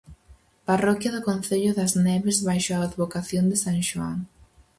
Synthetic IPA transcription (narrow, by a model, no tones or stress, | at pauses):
parɔkjɐðʊkõnθeʎʊðɐznɛβezβajʃʊaːðβokaθjond̪ɪsaŋʃua̰ŋ